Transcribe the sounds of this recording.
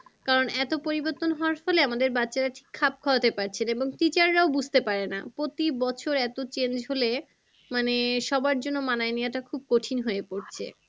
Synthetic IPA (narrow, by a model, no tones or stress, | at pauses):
kaɾonɛt̪opoɾiboɾt̪ːonɦɔaɾfɔleamad̪eɾbatːɕaɾaʈʰi̥kʰːap̚kʰɔat̪epaɾt͡ɕʰeneboŋʈit͡ɕaɾːaobud͡ʑʱt̪epaɾena̰pɾot̪ibɔt͡ɕʰoɾɛt̪ot͡ɕend͡ʑɦole | maneʃɔbaɾd͡ʑonːomanaenijaʈakʰub̚koʈʰinɦoepoɾt͡ɕʰḛ